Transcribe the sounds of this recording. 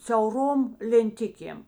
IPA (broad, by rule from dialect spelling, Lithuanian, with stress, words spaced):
sʲɛʊˈroːm lʲɛnʲˈtʲɪkʲeːm